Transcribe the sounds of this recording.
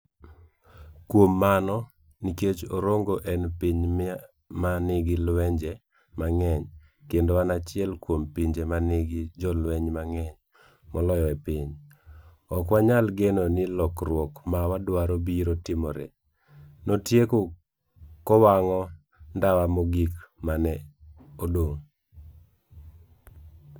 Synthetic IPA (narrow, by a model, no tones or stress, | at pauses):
kwomːanɔ | niket͡ʃoɾoŋɡoʔɛnpiɲ | manɪɡɪlwɛɲd͡ʒɛ | maŋɛɲ | kendowanat͡ʃɪɛlkwompiɲd͡ʒemanɪɡɪd͡ʒɔlwɛɲmaŋɛɲ | mɔlɔjɔɛpiɲ | ɔkwaɲalɡenonɪlɔkɾwɔkmawadwaɾobiɾotɪmɔɾḛ | notjeko | kɔwaŋɔ | ndawamɔɡikmanɛodoŋ